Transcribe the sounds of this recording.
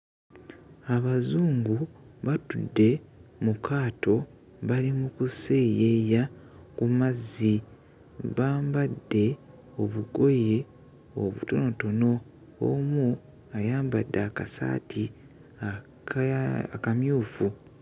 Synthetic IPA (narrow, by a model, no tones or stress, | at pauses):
aβazuːŋɡuβatudːe̞mukʰaːto̞ | βalimukuseːjeja | kumazːi | βaːmbadːe̞ | oβuɡo̞je̞ | o̰βṵto̞no̞to̞no̞ | o̰mu | ajaːmbadːaːkasa̰ːtʰi | a | akamjuːfu